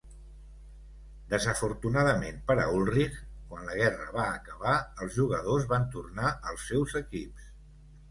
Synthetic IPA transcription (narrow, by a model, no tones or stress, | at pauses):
d̪əzəfuɾt̪unaðəmenpəɾə̰ulˠrixkwanləɣ̞ɛrəβaːkəβaəlˠzʒuɣəðozβant̪urnaəlˠsːɛwzəkips